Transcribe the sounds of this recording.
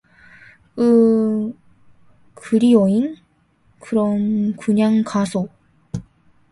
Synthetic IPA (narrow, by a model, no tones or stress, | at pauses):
ɯ | kʰɯɾioin | kɯɾʌnkuɲaŋkasʰo